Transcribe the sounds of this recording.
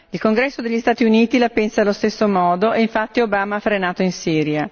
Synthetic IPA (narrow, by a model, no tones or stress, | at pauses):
ilkoŋɡɾɛsːod̪eʎːist̪aːt̪iuniːt̪ilapɛnsalost̪esːomɔːd̪oʔeiɱfat̪ːiobaːmaafɾenaːt̪oinsiːɾja